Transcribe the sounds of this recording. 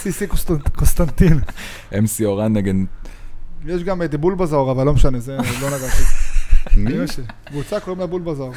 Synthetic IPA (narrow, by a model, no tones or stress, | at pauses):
sisikokonst̪ant̪in | emsioʁanːeɡed̪ | jeʃɡamed̪ebulbazoʁavalːo̞meʃanezelo̞naʁaʃi | imaʃekvut͡sakoimlabulbazoaʁ